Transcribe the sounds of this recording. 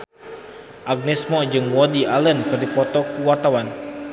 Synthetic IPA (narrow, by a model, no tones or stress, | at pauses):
ʔaɡ̚nɛsmɔd͡ʒɨŋwɔdiʔalənkɨrdipɔt̪ɔkuwart̪awan